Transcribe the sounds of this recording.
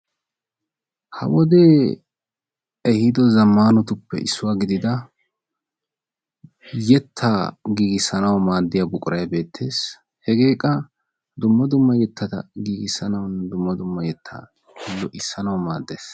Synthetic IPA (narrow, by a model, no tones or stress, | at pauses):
hɐ̰wɔd̪e̞ː | ɛhɪd̪ɔzɐmːaːnɔt̪ʊpːɛ̰ʔɪ̰sːʊwaːɡɪd̪ɪd̪ɐ | jɛt̪ʰːaɡiːɡɪsːɐnɐwmaːd̪ːɪjaːbʊkʼʊɾʔɐjɐbe̞ːt̪ʰːe̞ːs | hɛɡe̞ːkʼːɐ | d̪ʊmːɐd̪ʊmːɐjɛt̪ʰːɐt̪ɐ̰ɡiːɡɪsɐnɐwʊnːɛd̪ʊmːɐd̪ʊmːɐjɛt̪ʰːa̰ː | hɪlːɔʔɪsːɐnɐwmaːd̪ːeːs